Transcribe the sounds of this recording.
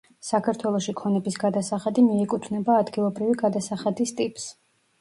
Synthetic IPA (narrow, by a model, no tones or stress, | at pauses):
sakʰaɾt̪ʰwɛlˠɔʃikʰɔnɛbisɡad̪asaχad̪imiɛkʼut̪ʰvnɛbaːd̪ɡilˠɔbɾiviɡad̪asaχad̪ist̪ʼipʼs